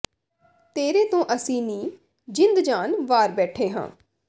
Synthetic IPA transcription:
t̪eːɾeːt̪õːʔəsĩːnĩː | d͡ʒɪnd̪d͡ʒaːnʋaːɾbɛːʈʰeːɦã̰ː

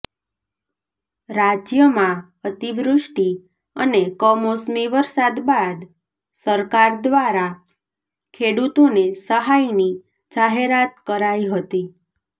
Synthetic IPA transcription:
ɾad͡ʒjəmã | ət̪iʋɾʊʃʈi | ə̰nekəmosmiʋəɾsad̪bad̪ | səɾkaɾd̪ʋaɾa | kʰeɽut̪onesəɦajni | d͡ʒaɦeɾat̪̚kəɾaiɦət̪i

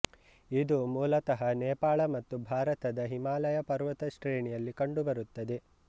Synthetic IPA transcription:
id̪umuːlɐt̪ɐɦɐnɛːpaːɭɐmɐt̪ːubʱaːɾɐt̪ɐd̪ɐɦimaːlɐjɐpɐɾʋɐt̪ɐʃʈɾeːɳijɐlːikɐɳɖubɐɾut̪ːɐd̪e

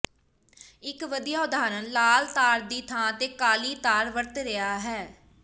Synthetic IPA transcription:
ɪkʋəd̪ijaːʊd̪aːɾənlaːlt̪aːɾd̪iːt̪ʰãːət̪eːkaːliːt̪aːɾʋəɾt̪ɾɪaːɦɛː

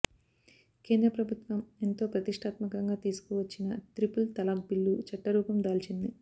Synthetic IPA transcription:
ke̞ːnd̪ɾɐpɾɐbʱut̪ʋɐment̪o̞ːpɾɐt̪iʂʈʰaːt̪mɐkɐŋɡaːt̪iːsu̥kuʋɐt͡ʃːinɐt̪ɾipult̪ɐlɐmpilːut͡ʃɐʈːɐɾuːpɐmd̪aːlt͡ʃind̪i

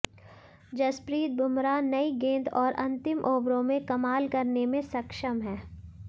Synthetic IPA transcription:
d͡ʒɐspɾiːt̪̚bʱʊmɾanɐiɡẽːnd̪ʰɔːɾʔɐ̃nt̪ɪmʔoːbɾõmẽkɐmaːlkɐɾnemẽsɐkʃəmɦɛː

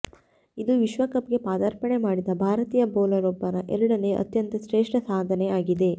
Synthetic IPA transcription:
id̪uʋiʃʋɐkɐp̚ɡe̞paːd̪aːɾpɐɳe̞maːɽid̪ɐbʱaːɾɐt̪iːjɐboːlɐɾɔbːɐɾɐʔɛɾɐɽɐne̞ʔɐ̰t̪jɐnt̪ɐsɾeːʂʈɐsaːd̪ʱɐne̞aːɡid̪e̞

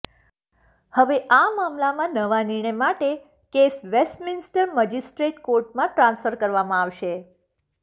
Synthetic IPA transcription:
həʋeʔamamlamãnəʋaniɾɳəjmaʈe | kesʋesʈmɪnsʈəɾməd͡ʒisʈɾeʈkoɾʈmãʈɾãnsfəɾkəɾʋamãaʋʃe

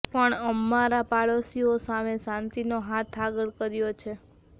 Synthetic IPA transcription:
pəɳəmːaɾapaɭosiosamesãnt̪inoɦat̪ʰaɡəɭkəɾjot͡ʃʰe

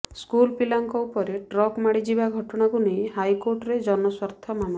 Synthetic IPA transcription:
skulpilaŋkɔupɔɾeʈɾɔkmaɽid͡ʒibaɡʱɔʈɔɽ̃akuneĩhajkoɾʈɔɾed͡ʒɔnɔswaɾt̪ʰɔmama

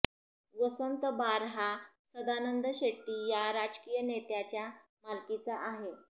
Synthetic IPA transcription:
ʋəsənt̪əbaɾɦa | səd̪anənd̪əɕeʈːijaɾad͡ʑkiːjənet̪jat͡ɕja | malkit͡saʔaɦe

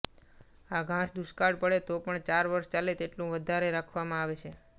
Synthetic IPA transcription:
aɡʱãʃd̪uʃkaɽpəɽet̪opəɳt͡ʃaɾʋəɾʃt͡ʃalet̪eʈlũʋəd̪ʱaɾeɾakʰʋamãaʋet͡ʃʰe

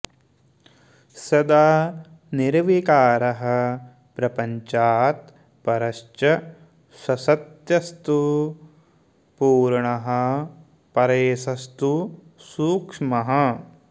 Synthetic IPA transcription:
sɐd̪aː | niɾʋikaːɾɐɦɐ̆ | pɾɐpɐɲt͡ʃaːt̪ | pɐɾɐʃt͡ʃɐ | sɐsɐt̪jɐst̪u | puːɾɳɐɦɐ̆ | pɐɾeːsɐst̪usuːkʂmɐɦɐ̆

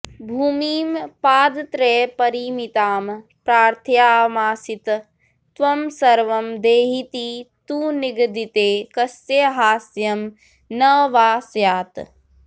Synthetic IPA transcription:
bʱuːmiːmpaːd̪t̪ɾeːpɐɾiːmit̪aːmpɾaːɾt̪ʰjaːmaːsit̪ | t̪ʋɐmsɐɾʋɐmd̪eːɦit̪it̪uːniɡd̪it̪eːkɐseɦaːsjɐm | nɐʋaːsjaːt̪

